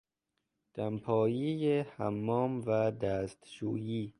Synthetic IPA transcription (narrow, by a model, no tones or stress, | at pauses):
d̪̥æmpʰɒːjiːjehæmːɒːmvæd̪æːst̪ʃuːjiː